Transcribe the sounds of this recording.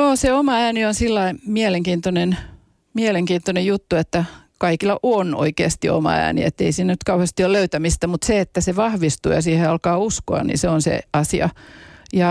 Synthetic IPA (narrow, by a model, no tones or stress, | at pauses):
joːseomɑæːnionsilːɑimieleŋkiːnt̪onen | mieleŋkiːnt̪onejut̪ːuet̪ːækɑikilːɑʔono̰ikḛːst̪io̰mɑ̰æ̰ːnḭḛt̪ːeisiːnænyt̪̚kɑuhest̪ioløyt̪æmist̪æmut̪seet̪ːæseʋɑhʋist̪ṵːjɑ̰siːheɑlkɑːuskoɑ̰nnḭnseonsḛɑsiɑ̰jɑ